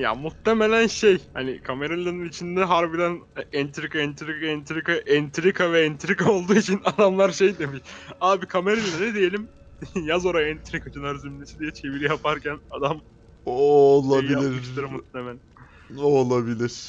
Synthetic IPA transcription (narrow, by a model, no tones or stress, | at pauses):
ja̰mut̪ːeme̞lʲænʃejhanikʰame̞ɾalʲˠanɯnit͡ʃʰind̪ɛɦaɾbid̪ænɛnt̪ʰɾikaɛnt̪ʰɾikaɛnt̪ʰɾikaʔɛnt̪ʰɾikʰavɛɛnt̪ʰɾikao̞lˠd̪uːit͡ʃʰinad̪amlˠaɾʃe̞jd̪e̞miʃaːbikʰame̞ɾalʲilanɛd̪eje̞lʲim | jazoɾaɛnt̪ʰɾikat͡ʃʰɯnaɾzymnesid̪ijɛt͡ʃʰe̞viɾijapʰaɾcʰænad̪am | ooːlˠailaiɾɯʃt̪aɾɯmmut̪lemelʲæn | olˠabilʲiɾ̥